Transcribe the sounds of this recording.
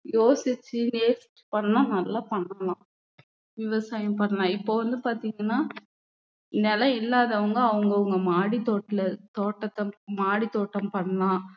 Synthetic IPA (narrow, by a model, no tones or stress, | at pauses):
joːsɪt͡ʃːɯneːsɪ̥t͡ʃːɯ̥pɐɳːãːnɐlːapɐɳːɐlãː | ʋɪʋɐsaːjɐmpɐɳɐlãːɪpːoːʋɐnd̪ɯpaːɾt̪iːŋɡɐnːaː | nɛlɐɪlːaːðɐɐʋɐŋɡɐɐʋɐŋɡɐʋɐŋɡɐmaːɽit̪oːʈːɪlɐt̪oːʈːɐt̪ːɐmaːɽit̪oːʈːɐmpɐɳlãː